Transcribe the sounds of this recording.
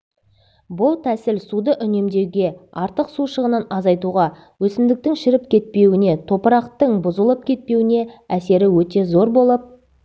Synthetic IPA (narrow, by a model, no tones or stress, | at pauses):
bʊlˠt̪ʰæsɪlsud̪əʔʏne̞md̪e̞wɡʲe̞ɑɾt̪əqsuʃəʁənənɑzɑjt̪uʁɑ | wɵsɪmd̪ɪk̚t̪ɪŋʃɪɾɪp̚kʲʰe̞t̪̚pe̞wɪne̞t̪ʰo̞pəɾɑqt̪əɴbʊzəlˠəp̚kʲʰe̞t̪̚pe̞wɪne̞æse̞ɾɪwɵt̪e̞zo̞ɾbo̞lˠəp̚